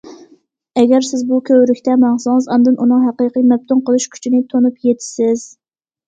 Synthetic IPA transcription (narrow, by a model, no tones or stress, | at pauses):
ɛɡʲɛɾsɪzbukʲʰøwɾykʲt̪ɛmɑŋsʊŋɨzɑnd̪ɨnʔunɨŋɦæqiqijmɛb̚t̪ʰunqʰəlˠɨʃkʲʰy̥t͡ʃʰinɪt̪ʰonupjet̪ʰɪ̥sɪz̥